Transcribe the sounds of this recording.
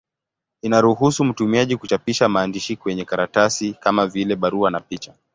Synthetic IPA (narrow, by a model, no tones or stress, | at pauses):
inaɾuhusum̩tumiaʄikut͡ʃapiʃamaːndiʃikwɛɲɛkaɾatasikamavilɛɓaɾuanapit͡ʃa